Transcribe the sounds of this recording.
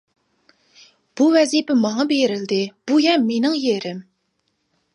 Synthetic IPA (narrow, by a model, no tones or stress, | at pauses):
b̥uvɛzipɪmɑŋɑbeɾɪld̪ɪb̥ujɛmenɪŋjeɾɪm